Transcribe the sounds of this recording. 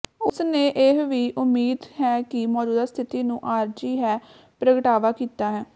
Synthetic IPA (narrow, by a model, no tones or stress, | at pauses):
ʊsnẽːʔeɦʋiːʔʊmːiːd̪hɛːkɪmɔːd͡ʒuːd̪aːst̪ʰɪt̪iːnũːʔaːɾd͡ʒiːɦɛː | pɾəɡəʈaːʋaːkiːt̪aːɦɛː